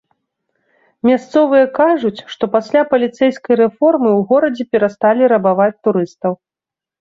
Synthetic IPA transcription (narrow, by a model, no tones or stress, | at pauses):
mʲast̪sɔvɨjɐkaʐut͡sʲʂt̪ɔpasʲlʲapɐlʲit̪sɛjskɐjɾɛfɔrmɨwɣɔɾɐd͡zʲɛpʲɛɾast̪alʲiɾɐbavat͡sʲt̪uɾɨst̪ɐw